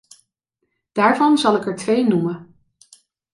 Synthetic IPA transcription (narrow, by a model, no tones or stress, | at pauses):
d̥aːɹvɑnzɑlˠɪkɛɹtʋejnumən